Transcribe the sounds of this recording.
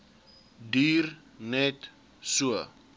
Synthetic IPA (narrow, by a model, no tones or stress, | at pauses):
diːr | nɛt | suə